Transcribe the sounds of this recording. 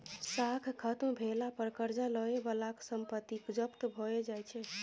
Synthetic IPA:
sakʰkʰət̪mbʱelapəɾkəɾd͡ʒaləebəlaksəmpət̪ːikd͡ʒəpt̪bʱoed͡ʒajt͡ʃʰɛ

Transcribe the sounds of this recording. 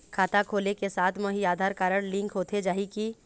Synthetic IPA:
kʰaːt̪akʰoːlekesaːt̪ʰmoɦiaːd̪ʱaːɾkaːɾəɽ̃lɪ̃ŋkʰɦoːt̪ʰed͡ʒaːiki

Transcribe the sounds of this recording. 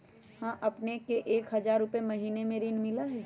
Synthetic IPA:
hãːʔɐpnekeʔeːkɦɐzaːɾːʊpemɐɦiːnemẽɾinmɪlaɦɛː

